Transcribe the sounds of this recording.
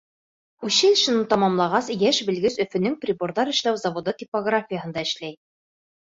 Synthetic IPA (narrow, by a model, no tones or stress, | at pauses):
ʉɕɘlʃɘ̆nɤt̪ɑmɑmlˠɑʁɑsjæʃbɘ̆lɡɘsɵ̆fɘ̆nɘŋprʲɪboɾðɑɾɘ̆ʃlæwzɐvod̪ɤt̪ʲipoɡrafʲijəɦɤ̆nd̪ɑɘ̆ʃlæj